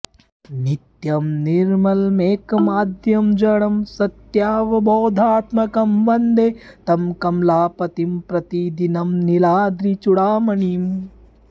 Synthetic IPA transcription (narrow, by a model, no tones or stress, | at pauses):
nit̪jɐmniɾmɐlmeːkɐmaːd̪ʱjɐmd͡ʒɐɽɐmsɐt̪jaːʋɐboːd̪ʱaːt̪mɐkɐmʋɐnd̪et̪ɐmkɐmlaːpɐt̪impɾɐt̪id̪inɐmnilaːd̪ɾit͡ʃuɽaːmɐɳim